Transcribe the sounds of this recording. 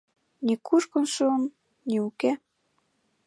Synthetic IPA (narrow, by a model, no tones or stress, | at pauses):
nʲikuʃkŏnʃuːm | niuke